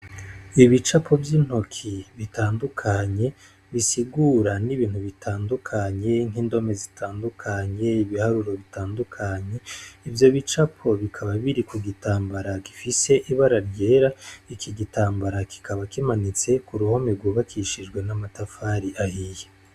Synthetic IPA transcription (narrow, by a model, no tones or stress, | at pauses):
iβit͡ʃapʰo̞vjin̥ho̞kʰiβitaːndukʰaɲe̞ | βisiɡuɾaniβiːn̥huβitʰaːndukʰaɲe̞ŋiːndo̞me̞zitʰaːndukʰaɲe̞iβihaɾuɾo̞βitaːndukʰaɲe̞ivjo̞βit͡ʃapʰo̞βikʰaβaβiɾikuɡitaːmbaɾaki̥fise̞ʔiβaɾaɾje̞ːɾaikʰiɡitʰaːmbaɾaki̥kʰaβakimanit͡se̞kuɾuho̞meɡuːβakʰiʃid͡ʒɡwe̞namatafaɾiʔahije